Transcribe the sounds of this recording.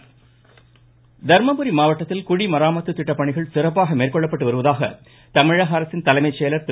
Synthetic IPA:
d̪ʱɐɾmɐpɯɾimaːʋɐʈːɐt̪ːɪlkʊɻimɐɾaːmɐt̪ːɯt̪ːɪʈːɐpːɐɳɪɣɐɭsɪrɐp̬ːaːɣɐmeːrkɔɭːɐpːɐʈːɯʋɐɾɯʋɐðaːɣɐ̰ | t̪ɐmɪɻɐɦɐːɾɐsɪnt̪ɐlɐɪmɐɪt͡ʃːeːlɐɾt̪

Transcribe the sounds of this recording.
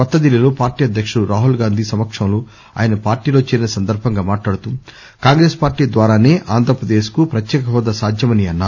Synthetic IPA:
ɐt̪ːɐd̪ilːiloːpaːɾʈiːɐd̪ʱjɐkʂɐɾuɾaːɦulɡaːnd̪ʱisɐmɐkʂɐmlu | a̰ːjɐnɐpaːɾʈiːlo̞ːt͡ʃɛːɾinɐsɐnd̪ɐɾbʱɐŋɡaːmaːʈlaːɽut̪um | kaːŋɡɾe̞ːspaːɾʈiːd̪ʋaːɾaːne̞ːʔaːnd̪ʱɾɐpɾɐd̪eːskupɾɐt̪jɛːkɐɦɐd̪ːɐsaːd̪ʱjɐmɐniɐnːaːu

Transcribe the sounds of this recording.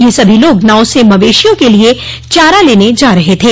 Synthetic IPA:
jeːsɐbʱiloːɡnaːʊsemɐʋeːʃijõkelie | t͡ʃaːɾaleːned͡ʒaːɾɐɦet̪ʰeː

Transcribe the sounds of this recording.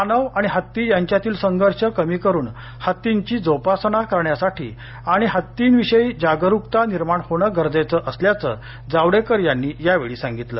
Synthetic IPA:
anəʋaɽ̃iɦət̪ːiːjaɲt͡ɕjat̪iːlsəŋɡʱəɾʂəkəmiːkəɾuːn | hət̪ːiɲt͡ɕiːd͡zowpasnakəɾɳjasaʈʰḭː | aɽ̃iɦət̪ːiːnʋiɕəiːd͡ʑaɡəɾuk̚t̪aniɾmaɳhoɽ̃əɡəɾd͡zajt͡səʔəsljat͡sə̰ | d͡zaʋɽekəɾjanːiːjaʋeɭiːsãŋɡit̪lə̰ː

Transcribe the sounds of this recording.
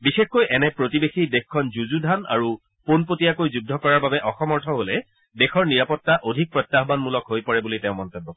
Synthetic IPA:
bixexkojʔɛnɛpɹotibexidexkʰɔnzuzudʱana̰ɹu | ponpotijakojzudʱːɔkɔɹaɹbabɛʔɔxɔmɔɹtʰɔɦolɛ | dɛxɔɹniɹapɔtːaʔodʱik̚pɹɔjt̪ːaɦbanmulɔkɦojpɔɹɛbulitɛʊ̃mɔntebːɔk

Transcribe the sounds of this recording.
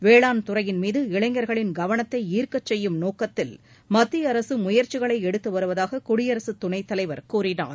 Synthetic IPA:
ʋeːɭaːnt̪ʊrɐjɪnmiːðɯɪɭɐɪŋɡɐɾɣɐɭɪnɡɐʋɐɳɐt̪ːɐɪiːɾkɐt͡ʃːɛjːɯmnoːkɐt̪ːɪl | mɐt̪ːɪjɐɾɐsɯmʊjɐɾt͡ʃɪɣɐɭɐɪɛɽɯt̪ːɯʋɐɾɯʋɐðaːɣɐkʊɽɪjɐɾɐsɯt̪ːʊɳɐɪt̪ːɐlɐɪʋɐɾkuːrɪna̰ː

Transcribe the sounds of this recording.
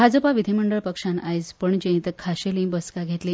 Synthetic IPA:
ad͡zəpaʋid̪ʱiməɳɖəɭpəkʂãnajspəɳd͡ʑẽĩt̪əɾkʰaɕelĩbəskaɡʱet̪li

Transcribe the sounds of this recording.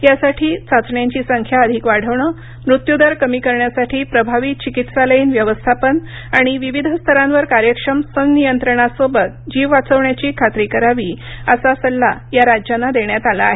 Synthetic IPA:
jasaʈʰiːt͡sat͡sɳjaɲt͡ɕiːsəŋkʰjaəd̪ʱikʋaɽ̤əʋɳə | mɾut̪jud̪aɾkəmiːkəɾɳjasaʈʰiːpɾəbʱaʋik̚t͡ɕikit̪saləiːnʋjəʋəst̪ʰapən | aɽ̃iʋiʋid̪ʱəst̪ʰəɾãnʋəɾkaɾjəkʂɾəmsəŋɡnijənt̪ɾəɳasobət̪̚d͡ʑiʋʋat͡səʋɳjat͡ɕiːkʰat̪ɾikəɾaʋiːəsasəlːajaɾad͡ʑjanːad̪eɳjat̪alaːɦe

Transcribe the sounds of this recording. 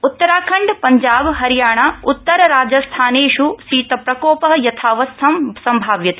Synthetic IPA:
ut̪ːɐɾaːkʰɐɳɖpɐɲd͡ʒaːbɦɐɾjaːɳaut̪ːɐɾɐɾaːd͡ʒɐst̪ʰaːneːʂusiːt̪ɐpɾɐkɔːpɐɦjɐt̪ʰaːʋɐst̪ʰɐmsɐmbʱaːʋjɐt̪e̥

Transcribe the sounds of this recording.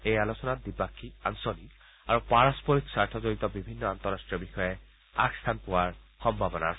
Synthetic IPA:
ejalosɔnatd̪ipakʰːiansonik | aɹupaɹaspoɹiksaɹt̪ʰɔzoɹit̪ɔbibʱinːɔant̪ɔɹasʈɹijɔbixɔje | a̰kst̪ʰanpʊwaɹxɔmbʱabɔnaas

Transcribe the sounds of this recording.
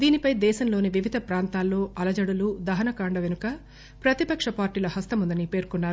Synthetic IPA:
d̪iːnipɐjd̪ɛːʃɐmlo̞ːniʋiʋid̪ʱɐpɾaːnt̪aːlːo̞ːʔɐlɐd͡ʒɐɽɐlud̪ɐɦɐnɐkaːɳɖɐʋenukɐ | pɾɐt̪ipɐkʂɐpaːɾʈiːlɐhɐst̪ɐmund̪ɐnipe̞ːɾkunːaːɾu

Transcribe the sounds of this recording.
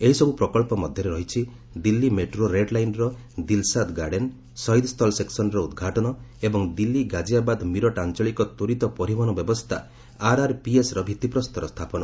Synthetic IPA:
eɦisɔbupɾɔkɔlpɔmɔd̪ʱjɔɾeɾɔɦit͡ʃʰi | d̪ilːimeʈɾoɾeɖlajnɾɔ | d̪ilsad̪ɡaɖen | sɔjd̪st̪ʰɔlseksɔnɾɔud̪ɡʱaʈɔnɔebɔŋd̪ilːiɡad͡ʒiabad̪miɾɔʈant͡ʃɔɭikɔt̪oɾit̪ɔpɔɾibʱɔnɔbjɔbɔst̪ʰa | aɾaɾpiesɾɔbʱit̪ipɾɔst̪ʰɔɾɔst̪ʰapɔnɔ

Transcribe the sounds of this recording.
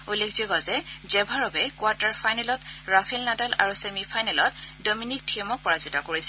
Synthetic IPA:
ulekʰzɔɡɔzɛd͡ʒɛbʱaɹɔbɛkwaɹtaɹpʰajnɛlɔtɹapʰilnadalʔa̰ɹusemipʰajnɛlɔt̚dɔminik̚tʰimɔk̚pɔɹazitakoɹisɛ

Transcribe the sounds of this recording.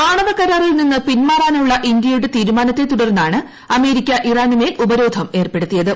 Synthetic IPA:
maːɳɐʋɐkɐɾaːrilninːɨpinmaːraːnuɭːɐʔind̪jɐjuɽet̪iːɾumaːnɐt̪ːe̞t̪uɽɐrnːaːɳɨ | ɐme̞ːɾikʲːɐʔiraːnimeːlʔubɐɾo̞ːd̪ʱʰɐme̞ːrpe̞ɽut̪ːijɐðɨ

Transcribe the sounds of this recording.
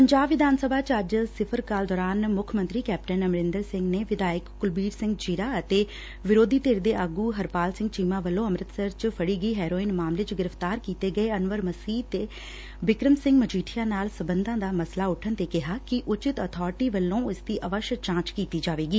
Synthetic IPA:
pəɲd͡ʒaːbʋɪd̪aːnsəbʱaːt͡ʃəd͡ʒsɪpʰəɾkaːld̪ɔːɾaːnmʊkʰmə̃nt̪ɾiːkɛːp̚ʈənəmɾɪ̃nd̪əɾsɪ̃ŋɡneːʋɪd̪aːjɪkːʊlbiːɾsɪ̃ŋɡt͡ʃiɾaːət̪eː | ʋɪɾoːd̪iːt̪eːɾd̪eːʔaɡuːɦəɾpaːlsɪ̃ŋɡt͡ʃiːmãːʋəlːõːəmɾət̪səɾt͡ʃpʰəɽiːɡəiːɦɛːɾoːiːnmaːmleːt͡ʃɡɪɾəpʰt̪aːɾkiːt̪eːɡəeːənʋəɾməsiːt̪eː | bɪkɾəmsɪ̃ŋɡmət͡ʃiːʈʰɪjãːnaːlsəbənd̪ãːd̪aːməslaːʊʈʰənt̪eːkɪɦaːkɪʔʊt͡ʃɪt̪əːt̪ʰɔːɾʈiːʋəlːõːʊsd̪iːʔəʋəʃt͡ʃãːt͡ʃkiːt̪iːd͡ʒaːʋeːɡiː

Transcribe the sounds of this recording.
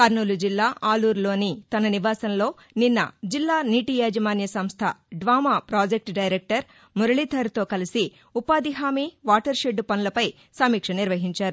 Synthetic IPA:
kɐɾnuːlud͡ʒilːaːʔaːluːɾlo̞ːnit̪ɐnɐniʋaːsɐnlo̞ː | ninːɐ̰d͡ʒilːaːniːʈiːjaːd͡ʒɐmaːnjɐsɐmst̪ʰɐɖʋaːmaːpɾaːd͡ʒek̚ʈɖɐjɾek̚ʈɐɾ | muɾɐɭit̪ʰɐɾt̪o̞ːkɐlisi | upaːd̪iɦaːmiːʋaːʈɐɾʃeɖupɐnulɐpɐj | sɐmiːkʂɐniɾʋɐɦiɲt͡ʃaːɾu

